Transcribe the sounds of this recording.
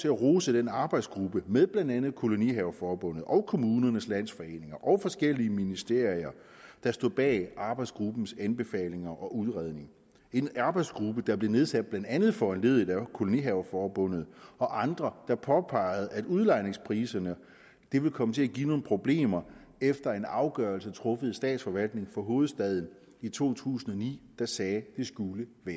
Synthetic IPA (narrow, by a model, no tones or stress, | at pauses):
t͡sʰe̝æʁoːsəd̥enɑ̈ːb̥ɑ̈ɪd̥sɡ̥ʁub̥əmeðˠb̥lænd̥ænð̩ˠkʰo̝lo̝niɦɛʊfɒːb̥ɔ̽n̰ð̞̩ˠʔɒ̽ʊkʰo̝muːnɐnəslæn̰sfɒ̽e̝̰ːne̝ŋɐʔɒ̽ʊfɒ̽sɡ̥el̰iəminisd̥e̝ɐ̰iɐ | d̥ɑ̈sd̥o̝b̥ɛːʔɑ̈ːb̥ɑ̈ɪd̥sɡ̥ʁub̥n̩sænb̥e̝fɛ̰ːle̝ŋɐʔɒ̽ʔuð̞ˠʁɛð̞ˠne̝ŋ | e̝nɑ̈ːb̥ɑ̈ɪd̥sɡ̥ʁub̥əd̥ɑ̈b̥le̝ne̝ð̞ˠsæd̥̚b̥lænd̥ænð̩ˠfɒænle̝ð̞ˠd̥ækʰo̝lo̝niɦɛʊfɒːb̥ɔ̽n̰ð̞̩ˠɒ̽ʔɑ̈nd̥ʁɐd̥ɑ̈pʰɒ̽pʰɑ̈ɪð̞̩ˠæd̥uð̞ˠlɑ̈ɪne̝ŋspʰʁiːsɐnə | d̥e̝ʋe̝lkʰɒ̽mət͡sʰe̝æɡ̥ḭːno̝ːn̩pʰʁo̝b̥le̝̰ːmɐ | efd̥ɐe̝nɑ̈ʊɡ̥ɶɐlsət͡sʰʁɔ̽fəð̞̩ˠsd̥ɛ̰ːd̥sfɒ̽ʋæl̰d̥ne̝ŋfɒ̽ɦo̝ːð̩ˠsd̥ɛð̞ˠn̩ | it͡sʰo̝̰ːt͡sʰṵːsn̩ɒ̽nḭːd̥ɑ̈sɛːd̥e̝sɡ̥uləʋæːɐ